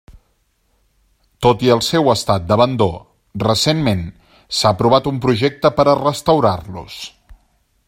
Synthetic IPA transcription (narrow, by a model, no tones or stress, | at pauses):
t̪ot̪iəlˠsɛwəst̪at̪̚d̪əβənd̪o̰ | rəsenmen | saəpɾuβ̞at̪umpɾuʒɛk̚t̪əpəɾərəst̪əwɾarlṵs